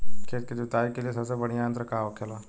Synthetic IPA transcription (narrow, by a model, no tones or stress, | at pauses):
kʰeːt̪̚ked͡ʒʊt̪aːikeliesɐbsebɐɽ̤̃ijãənt̪ɾəkaːʋokʰeloː